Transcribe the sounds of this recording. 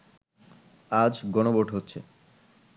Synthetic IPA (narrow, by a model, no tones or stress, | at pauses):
ad͡ʑɡɔnoboʈɦotːɕʰe